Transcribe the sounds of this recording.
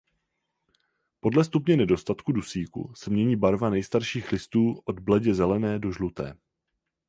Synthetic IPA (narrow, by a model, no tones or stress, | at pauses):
po̞dlɛst̪upɲɛnɛdo̞st̪at̪kudusiːkṵsɛmɲɛɲiːbaɾvanɛjst̪aɾʃiːxlɪst̪uːʔo̞dblɛɟɛzɛlɛnɛːdo̞ʒlut̪ɛ̰ː